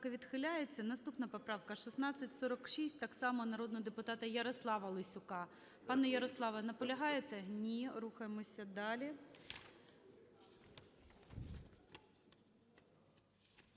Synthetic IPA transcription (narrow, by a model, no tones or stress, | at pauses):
kɐʋʲid̪xɪlʲajet͡sʲːɐnɐst̪upnɐpɔpɾɑʋkɐʃisnɑt͡sʲːɐtʲsɔɾɐkʃisʲtʲt̪ɑksɑmɔnɐɾɔd̪nɔɦɔd̪epʊt̪ɑt̪ɐjɐɾɔslˠɑʋɐlˠɪsʲʊkɑ | pɑnɛjɐɾɔslˠɑʋɐnɐpɔlʲɐɦɑjet̪enʲiɾuxɐjemɔsʲɐd̪ɑlʲi